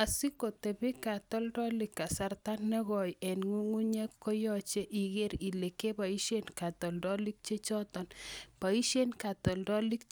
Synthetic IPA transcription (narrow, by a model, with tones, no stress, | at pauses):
a˨si˦ko˨te˨bi˦ka˨tɔ˦ldɔ˦li˨kːa˨sa˦rta˦nːɛ˦ɣɔ˨jɛ˨nŋu˦ŋu˦ɲɛ˦kkːɔ˦jɔ˦t͡ʃe˦ʔi˨ɣe˦ɾi˨le˨ke˦ba˨i˦ʃe˦nka˨t̪ɔ˨ldɔ˦li˦k̚t͡ʃe˦t͡ʃɔ˦t̪ɔ˨npa˨i˦ʃe˦nka˨tɔ˨ldɔ˦li˦k